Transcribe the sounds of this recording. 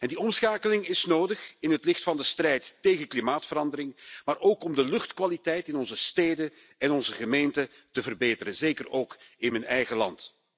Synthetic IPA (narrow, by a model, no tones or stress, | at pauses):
ɛndiɔmsxaːkəlɪŋɪsnoːdəχɪnɦətlɪxtfɑndəstrɛjtːeːɣənklimaːtfəɾɑndəɾɪŋmaːɾʔoːkɔmdəlɵxtkʋalitɛjtɪnɔnzəsteːdə | ɛnɔnzəɣəmeːntə | təvərbeːtəɾəzeːkəroːkɪnmənɛjɣəlɑ̰nt